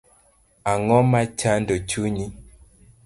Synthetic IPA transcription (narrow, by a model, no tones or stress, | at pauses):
aŋɔmat͡ʃandot͡ʃuɲi